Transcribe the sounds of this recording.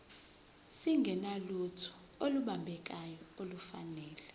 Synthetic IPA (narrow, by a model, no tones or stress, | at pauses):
siŋɡʱɛnalutʰu̥ | oluɓambʱɛk̬ajɔolufanɛːlɛ